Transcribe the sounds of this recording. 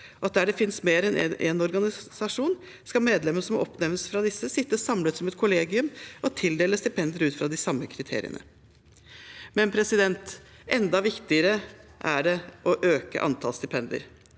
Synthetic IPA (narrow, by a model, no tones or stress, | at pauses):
ɔɑt̪̚d̪æɖɛfɪnsmeːɾɛnɛʔeːnɔɾɡɑnɪsɑʂuːn | skɑmeːd̪lɛmːənʂɔmɔ̰pnɛʋnəsfɾɑd̪ɪsːəsɪt̪ːəsɑmlət̪sɔmɛt̪kʰʊleːɡɪʉmɔt̪ʰɪld̪eːləst̪ɪpʰɛnd̪ɪəɾʉːt̪fɾɑd̪ɪsɑmːəkʰɾɪt̪ʰḛːɾɪ̰ə̰nə̰ | mɛnpʰɾɛsɪd̪ɛnt̪ | ɛnd̪ɑʋɪkt̪ɪəɾəʔæɖɛʔɔʔøːkə̰ʔɑ̰nt̪ʰɑlst̪ɪpʰɛnd̪ɪə̰ɾ